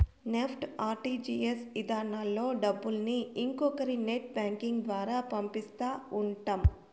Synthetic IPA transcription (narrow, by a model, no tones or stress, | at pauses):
nepʰʈaːɾʈiːd͡ʒiːesʋid̪aːnaːlːo̞ːɖɐbːulɐniːŋkɔkɐɾineʈ̚baːŋkiŋɡd̪ʋaːɾaːpɐmpist̪aːuɳʈam